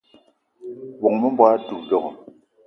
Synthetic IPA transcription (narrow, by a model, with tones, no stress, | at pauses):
bɔ˨ŋ˨mə˦mbwa˦tu˨pdɔ˨kɔ˨